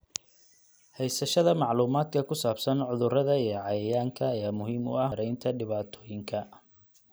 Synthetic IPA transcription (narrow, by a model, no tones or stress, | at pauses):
hɛjsɐʃɐðɐmɑʕluːmaːd̪̚kʰɐkʰʊsaːbsɐnʕʊðʊrɐðɐijɔʕɑjɐjaːŋkʰɐːjaːmʊɦiːmʊ̰ɐɾɛjnt̪ʰɐɖɪβaːt̪ʰɔːjɪŋkʰɐ